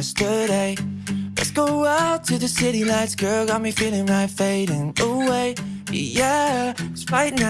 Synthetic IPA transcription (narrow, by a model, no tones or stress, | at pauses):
stəɾeɪlɨ̰tsɡ̥oʊaʊtʰɨðɨsɪɾinaɪtsɡ̥ɜ˞lˠɡɑt̚mifɪlˠɪ̃ŋmaɪfeɪɾɨ̃nəweɪjæsɹaɪtn